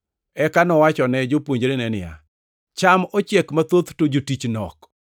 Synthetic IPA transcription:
ɛkanɔwat͡ʃɔnɛd͡ʒopwoɲd͡ʒɾenɛnɪja̰ | t͡ʃamot͡ʃɛkmat̪ot̪tod͡ʒotit͡ʃnɔ̰k

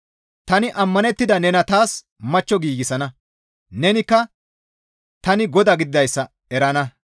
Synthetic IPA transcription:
t̪ɐnɪʔɐmːɐnɛt̪ːɪd̪ɐnɛnɐt̪aːs | mɐt͡ʃːɔɡiːɡɪsɐnɐ | nɛnɪkːɐ | t̪ɐnɪɡɔd̪ɐɡɪd̪ɪd̪ɐjsːɐ | ɛɾɐnɐ

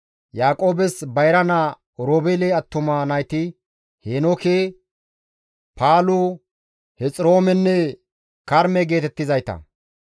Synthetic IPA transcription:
jaːkʼo̞ːbɛsbɐjɾɐna | ɔɾoːbeleɐt̪ːʊmanɐjt̪ɪ | heːnokeː | pʰaːlʊ | hɛt͡sʼɾo̞ːmɛnːɛ | kɐɾmɛɡe̞ːt̪ɛt̪ːɪzɐjt̪ɐ̰

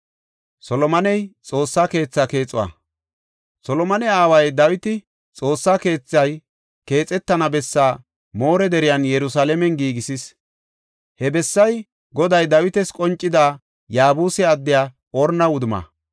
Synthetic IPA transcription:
sɔlɔmɐnɛjt͡sʼo̞ːsːaːke̞ːt͡sːake̞ːt͡sʼːʊwa̰ː | sɔlɔmɐnɛaːwɐjd̪ɐwɪt̪ɪ | t͡sʼo̞ːsːaːke̞ːt͡sːɐj | ke̞ːt͡sʼɛt̪ːɐnɐbɛsːaː | moːɾɛd̪ɛɾɪjɐnjɛɾʊsaːlɛmɛnɡiːɡɪsɪs | hɛbɛsːɐj | ɡɔd̪ɐjd̪ɐwɪt̪ɛskʼɔnt͡ʃʼːɪd̪aː | jaːbuːsɛɐd̪ːɪjaː | ɔɾnɐwʊd̪ʊmɐ̰

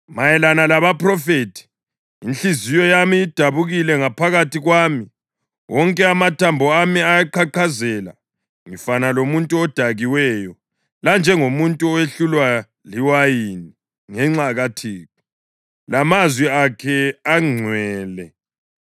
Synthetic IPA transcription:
majɛlanalaβapʰʼrɔfetʰi̥ | inɬizijɔjamiːd̥ʱaβuɣilɛŋapʰaɣatʰiɣwaːmi | wʔɔŋkʼɛamatʰambʱɔamiajaǃʰaǃʰazɛla̰ | ŋifanalomuntʼuɔd̥ʱaɣiwɛjɔ | land͡ʒʱɛŋomuntʼuɔweɬulwa | liwajini | ŋɛŋ͡ǀaɣatʰiːku | lamazwiakʰɛaŋ͡ǀʱwɛːlɛ

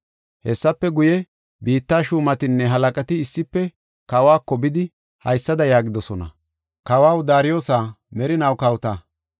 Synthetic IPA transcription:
hɛsːɐpːɛɡʊjɛ | biːt̪ːaːʃuːmɐt̪ɪnːɛɦɐlɐkʼɐt̪ɪːsːɪpːɛ | kɐwaːkːɔbɪd̪ɪ | hɐ̰jsːɐd̪ɐjaːɡɪd̪ɔsɔnɐ̰ | kɐwaːwd̪aːɾɪjo̞ːsaː | mɛɾɪnɐwkɐwt̪ɐ

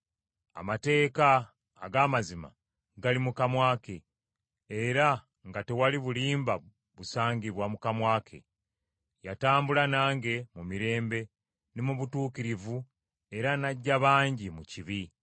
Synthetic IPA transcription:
a̰mate̞ːkaː | ɡaːmazima̰ | ɡalimukamwaːke̞ː | ɾa | ŋɡate̞waliβuliːmba | βusaːɲɟiβwamukamwaːkʰe̞̰ | jataːmbulanaːŋɡe̞mumiɾe̞ːmbe̞ | nemuβutuːkiɾivu | e̞ɾanaɟːaβaːɲɟimuciβi

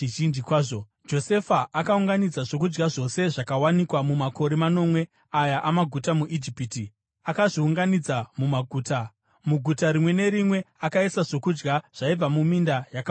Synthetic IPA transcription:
iʒind͡ʒikwaːʐo | d͡ʒo̞se̞faʔakauŋɡanid͡zaʐokud͡ʒɡaʐo̞se̞ʐakawanikwamumako̞ɾe̞mano̞mwe̞ | ajaʔamaɡʱutamuʔid͡ʒipiti | akaʐiuŋɡanid͡zamumaɡʱuːta | muɡʱutaɾimwe̞ne̞ɾimwe̞akaisaʐo̞kud͡ʒɡaʐ̥aib͡vamumindajak

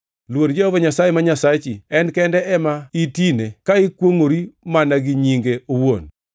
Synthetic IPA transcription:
lwodd͡ʒɔɔvɔɲasajemaɲasat͡ʃiɛnkɛndɛɛmaitinekaɪkwoŋoɾimanaɡɪɲiŋɡeowon

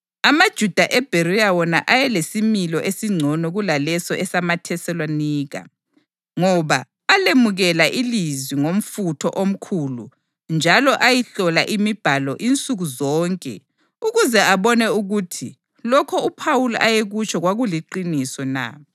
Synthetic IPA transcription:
amad̥ʒ̥ʱud̥ʱaʔɛb̥ʱeɾijawɔnaʔajɛlesimilɔʔesiŋ͡ǀʱɔnɔɣulalɛsɔʔɛsamatʰɛsɛlwaniːɣa̰ | ŋɔβaː | lemuɣɛlaʔilizwiŋom̩futʰɔ̰ʔom̩kʰulṵ | nd͡ʒʱalɔʔajiɬɔlaʔimib̥ʱalɔʔint͡sʼuɣuzɔːŋkʼɛ̰ | uɣuzɛaβɔnɛuɣutʰi | lɔkʰɔupʰawulʔajeɣut͡ʃʰʼɔɣwaɣuliǃinisɔna̰

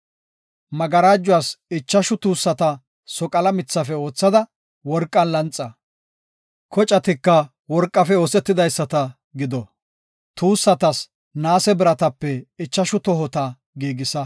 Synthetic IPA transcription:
mɐɡɐɾaːd͡ʒːʊwaːsɪt͡ʃːɐʃʊt̪uːsːɐt̪ɐ | sɔkʼɐlɐmɪt͡sːɐfɛo̞ːt͡sːɐd̪ɐ | wɔɾkʼːɐnlɐnt͡sʼːɐ | kɔt͡ʃʼɐt̪ɪkːɐ | wɔɾkʼːɐfɛoːsɛt̪ːɪd̪ɐjsːɐt̪ɐ | ɡɪd̪ɔ | t̪uːsːɐt̪ɐs | naːsɛbɪɾɐt̪ɐpːɛɪt͡ʃːɐʃʊt̪ɔɦɔt̪ɐ | ɡiːɡɪsɐ

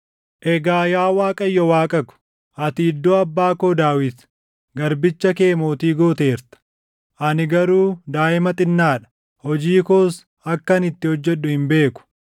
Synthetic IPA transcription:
ʔɛɡaːjaːwaːkʼɐjːɔwaːkʼɐkʊ̥ | ʔɐt̪iːd̪ːoɐbːaːkoːd̪aːwɪt̪ | ɡɐɾbɪt͡ʃːɐke̞ːmoːt̪iːɡoːt̪e̞ːɾt̪ɐ̥ | ʔɐnɪɡɐɾuːd̪aːʔɪmɐt̪ʼɪnːaːᶑɐ̥ | hɔd͡ʒiːkoːs | ɐkːɐnɪt̪ːɪhɔd͡ʒːɛᶑːʊhɪmbe̞ːkʊ̥

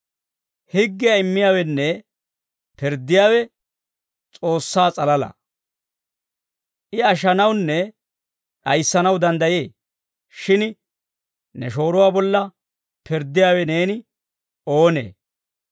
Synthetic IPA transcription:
hɪɡːɪjɐɪmːɪjaːwɛnːɛ | pɪɾd̪ːɪjaːwɛ | t͡sʼo̞ːsːaːt͡sʼɐlɐlɐ̰ | ʔɪɐʃ̬ɐnɐwnːɛ | ɗɐjsːɐnɐwd̪ɐnd̪ɐjeː | ʃɪn | nɛʃo̞ːɾʊwaːbɔlːɐ | pɪɾd̪ːɪjaːwɛne̞ːnɪ | o̞ːnḛː

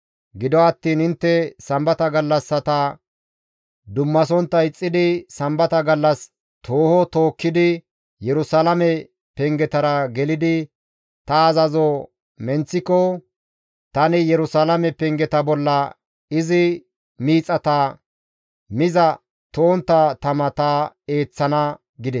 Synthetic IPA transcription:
ɡɪd̪ɔɐt̪ːiːnhɪnt̪ːɛsɐmbɐt̪ɐɡɐlːɐsːɐt̪ɐ | d̪ʊmːɐs̬ɔnt̪ːɐɪt͡sʼːɪd̪ɪsɐmbɐt̪ɐɡɐlːɐs | t̪ʰoːhɔt̪oːkːɪd̪ɪ | jɛɾʊsɐlɐmɛ | pɛŋɡɛt̪ɐɾɐɡɛlɪd̪ɪ | t̪ɐːzɐzɔ | mɛnt͡sːɪkːɔ | t̪ɐnɪjɛɾʊsalɐmɛpɛŋɡɛt̪ɐbɔlːɐ | ɪzɪ | miːt͡sʼɐt̪ɐ | mɪzɐ | t̪oːnt̪ːɐt̪ɐmɐt̪ae̞ːt͡sːɐnɐ | ɡɪd̪ɛs

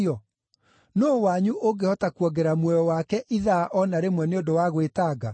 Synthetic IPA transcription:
ɔ | noːwaɲuʔoɡehɔtakwɔɡɛɾamwɔjɔwakɛʔiðaːʔɔnaɾemwɛneondowaɣwetaːɡa

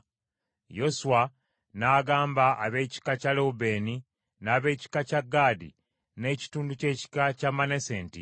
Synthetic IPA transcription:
jo̞suwa | naːɡaːmbaʔa̰βe̞ːci̥kacaloube̞ːni | naːβe̞ːci̥kacaɡːaːdḭ | ne̞ːci̥tuːnduce̞ːci̥kacamːaneseːntḭ

